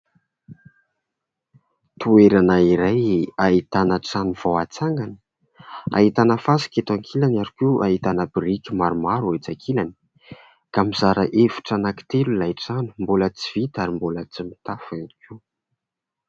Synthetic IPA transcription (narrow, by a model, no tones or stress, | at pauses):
t̪ueɾanaiɾajait̪anəʈ͡ʂanuvowat͡saŋɡani̥ | a̰ɦit̪anəfasi̥kʲet̪aŋkʰilanaɾukʲuʔaɦit̪anəbɾikʲimaɾumaɾuet͡saŋkʰilani̥ | kamizaɾəʔevu̥ʈ͡ʂanaki̥t̪elulajʈ͡ʂanu̥mbolət͡siv̥it̪aɾimbolət͡simit̪afanikʲʰu